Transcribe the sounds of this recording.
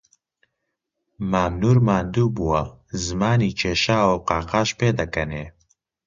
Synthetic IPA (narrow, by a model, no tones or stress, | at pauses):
maːmnuːɾmaːnd̪uːbuwɐ | zɨmaːniːt͡ʃʰeːʃaːwoqaːqaːʃpeːd̪ɐkɐne